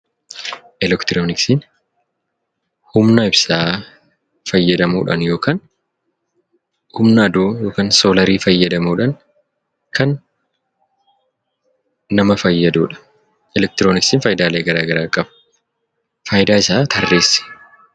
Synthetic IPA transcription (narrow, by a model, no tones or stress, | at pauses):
ʔɛlɛkt̪ɪɾoːnɪksin | hʊmnɐɪbsaː | fɐjːɐd̪ɐmuːᶑɐ̰njo̞ːkaːn | hʊmnɐːd̪uːjo̞ːkaːnsoːlɐɾiːfɐjːɐd̪ɐmuːᶑɐn | kʰɐn | ɐmɐfɐjːɐd̪uːᶑɐ̥ | ʔɛlɛk̚t̪ɪɾoːnɪksɪːnfɐjd̪aːleːɡɐɾaːɡɐɾaːkʼɐb | fɐjd̪aːɪsaːt̪ʰɐrːeːsːɪ̥